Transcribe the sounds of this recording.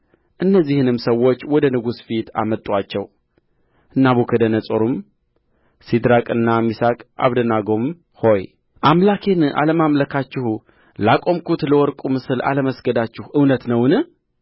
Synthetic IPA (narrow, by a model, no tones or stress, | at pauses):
ʔɨnːəzːihɨnɨmsəwːo̞t͡ʃːwɔd̪ənɨɡusfit̪ʰa̰mət̪ʼːwat͡ʃːɛw | ɨnːaβukʰəd̪ənəsʼoɾum | sid̪ɾakʼɨnːamisakʼa̰βd̪ənaɡom | ho̞j | ʔamlakʰena̰ləmamləkʰat͡ʃːɪhu | lakʼo̞mkut̪ləwɔɾkʼumɨsɨla̰ləməsɡəd̪at͡ʃːɪhʔɨwnət̪nəwnɨ